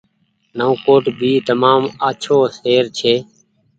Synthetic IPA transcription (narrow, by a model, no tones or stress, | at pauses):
nə̃ːkoːʈbʱiːt̪əmaːmaːt͡ʃʰoːseːɾt͡ʃʰeː